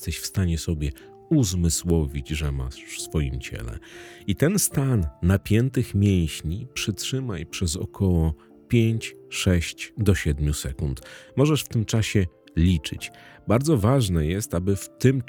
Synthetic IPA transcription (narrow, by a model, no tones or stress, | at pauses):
st̪ɛɕfst̪aɲɛsɔbʲjɛ | uzmɘswɔvʲid͡ʑʐɛma̰ʂsfɔjḭmt͡ɕɛ̰lɛ̰it̪ɛnst̪anːapʲjɛnt̪ɘxmʲjej̃ɕɲipʂɘtʂɘmajpʂɛzɔ̰kʰɔwɔ | pʲjeɲt͡ɕʂɛɕt͡ɕd̪ɔɕɛd̪mʲjusɛkunt̪mɔʐɛʂft̪ɘmt͡ʂaɕɛ | lʲit͡ʂɘ̰t͡ɕbaɾd̪zɔvaʐnɛjɛst̪abɘft̪ɘm